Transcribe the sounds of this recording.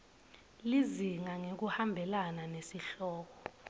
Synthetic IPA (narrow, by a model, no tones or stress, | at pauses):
liziŋaŋek̬uhambʱɛlananesiɬɔːk̬ɔ